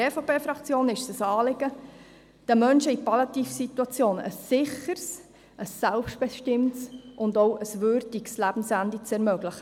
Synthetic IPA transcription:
eːfopeːfɾɑkt͡sjoːnɪʃsəsɑːlɪɡ̥ə | d̥əmœnʃəipɑlɑt̪iːfsit̪uɑt͡sjoːnə̰sːɪχəɾs | əsːælpʃt̚b̥ɛʃtɪmtsʔʊndoʊʔəsvʏɾdikslæb̥n̩sændit͡sɛɾmœɡlɪχə

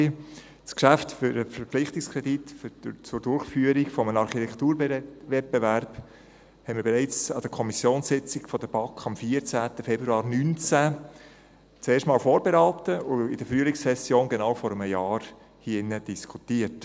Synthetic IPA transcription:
skʃæftfʏɾəfəɾplɪχtɪkskʰʁɛditft͡sʊɾdʊɾχfyəɾiɡfɔmənɑɾχitʰɛktuːɾvɛt̚bevæɾb̥ | hɛɪnməɾbeɾæɪt͡sɑd̥əɾkʰɔmisjoːnssɪt͡sɪkfɔd̥əb̥ɑkʰɑmfiəɾt͡sæːtəfɛb̥ɾuɑːɾnynt͡sæ | t͡seːʃtmɑːlfoːɾbeɾaːtəʊɪd̥əfryəlikssɛsjoːnɡenawfɔɾəmjɑːɾ | hiɪnːəd̥iskʰutiəɾt

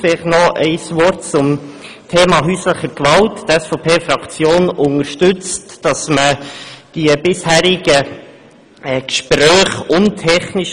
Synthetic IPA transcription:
fɪlχnɔʔɛɪsvɔɾtt͡sʊm | tʰeːmɑɦyːsləχəɾkvɑlttɛsfɔːpʰeːfɾɑkt͡sjoːnʊŋəɾʃtʉt͡std̥ɑsməd̥iəbɪshæːɾɪɡ̥ə | kʃpɾœːχʊntʰɛχniʃ

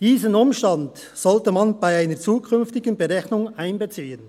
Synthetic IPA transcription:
d̥iːzənʊmʃtand | z̥ɔltəmanb̥aɪaɪnəɾt͡suːkʰʏnftɪɡənbəɾɛçnʊŋaɪnbət͡siːən

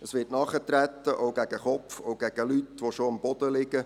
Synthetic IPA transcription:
əsʋɪːtnɑχətɾæt̪ːəʔowɡæɡ̥əχɔfowɡ̥æɡ̥əlytʋoʃoɑmbɔd̥̪əlɪɡ̥ə

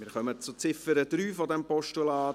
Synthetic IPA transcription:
mɪːɾχœmət͡sʊt͡sɪfəɾəd̥̪ɾyːfɔdɛmpɔʃtulɑːt

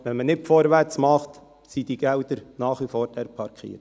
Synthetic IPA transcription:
ʋɛnmənɪtfɔːɾʋæɾt͡smɑχt̪ | sid̥iɡ̥ɛwd̪əɾnɑːχʋifoːɾtɛɾpʰɑɾkʰχḭːəɾt

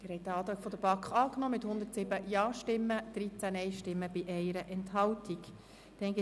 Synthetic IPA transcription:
mɪɾhɛɪt̚dəɑːt̪ɾɑːɡ̥fɔd̪əb̥ɑkχɑːknɔːmɪt̪hʊnd̪əɾtsɪbəjɑːʃtɪmːəd̪̥ɾit͡sænɛɪʃtɪmːəbiʔɛɪɾəʔɛnthɑltʰik | d̥ɛnɡɪ

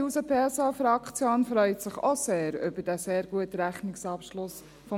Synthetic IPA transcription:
uːsəpʰesɑfɾɑkt͡sjoːnfɾœʏtsɪχoseːɾʏ̰bəd̥ɛseːɾɡuətɾæχnɪksɑpʃlʊs | fɔ

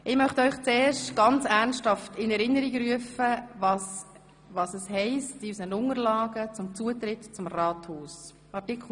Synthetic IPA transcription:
ʔɪmœχtəœʏχt͡sɛːrʃtɡ̥ɑnt͡sæʁnsthɑftɪnɛɾɪnːəɾiɡɾyəfəvɑs | vɑːsɛshɛɪstɪsənʊŋəɾlɑːɡət͡sʊmt͡suət̪ɾɪtt͡sʊmrɑːthoːs | ɑrtɪkʰl̩

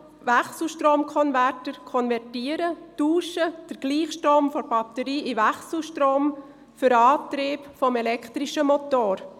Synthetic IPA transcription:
ʋæχsl̩ʃtroːmkʰɔnvætəɾkʰɔnvɛrtiːəɾətuːʃəd̥əɾɡ̥liːχʃtɾoːmfɔɾb̥ɑt̪əɾiːʔiʋæχsl̩ʃtroːm | fʏɾɑːt̪ɾiːpfɔmɛlɛkχt̪ɾiʃəmot̪oːɾ

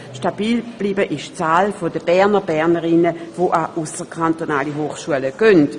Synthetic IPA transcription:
ʃtab̥iːlb̥liːbəʔɪʃt͡saːlfodəb̥ɛɐnəbɛɐnəʁɪnəvoʔaʔusəkʰantonaːliɦoːχʃuələɡ̥œnt

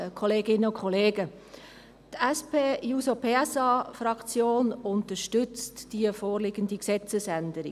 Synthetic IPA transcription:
kʰɔleːɡɪnːəʊkʰχɔleːɡə | tɛspeːjusopʰeːɛsɑːfɾɑkt͡sjoːnʊntəʃtʏt͡std̥iəfoːɾlɪɡəndiksɛt͡səsændəɾḭ

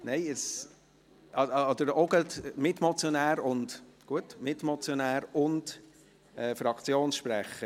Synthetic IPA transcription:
nɛɪəs | ɑɑːd̥̪əɾɔɡətmɪtmɔt͡sjonæːɾʊndɡ̥uətmɪtmɔt͡sjonæːɾʊnd | ɛːfɾɑkt͡sjoːnsʃpɾæχə

